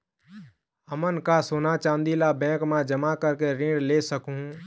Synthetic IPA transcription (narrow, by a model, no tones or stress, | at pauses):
əmənkasoːnat͡ʃãːnd̪ilabɛ̃ːkmad͡ʒəmakəɾkeɾĩɖlesəkuɦ